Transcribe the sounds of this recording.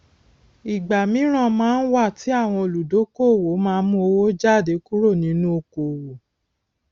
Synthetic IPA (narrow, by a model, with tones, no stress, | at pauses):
i˨ɡ͡ba˨mĩ˨˦ɾ̃ã˧˨mãː˦n̩˦wa˦˨ti˨˦a˦˨w̃ɔ̃˧o˨lu˨do˨˦ko˦o˨wo˨˦mãː˦mũ˦o˧wo˦d͡ʒa˦˨de˨˦ku˦ɾo˦˨nĩ˨˦nũ˦o˧ko˨wo˨